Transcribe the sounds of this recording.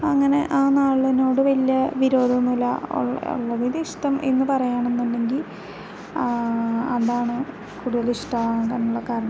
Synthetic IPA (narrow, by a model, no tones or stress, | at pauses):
ɐŋːɐne̞ʔaːnaːɭːino̞ːɽɨʋɐlijɐʋiɾo̞ːd̪ʱɐnːulɐ̰o̰ɭo̰ɭːɐðiðiʂʈɐmḛnːɨpɐrɐjaːɳenːunɖe̞ŋɡil | ɐðaːɳɨ | kuːɽuðɐliʂʈɐːkaːnuɭːɐkaːɾɐɳɐm